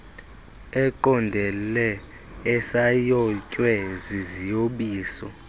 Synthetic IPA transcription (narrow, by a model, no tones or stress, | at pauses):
ɛǃɔndʱɛlɛː | sajɔcʼwɛzizijoɓiːsɔ̰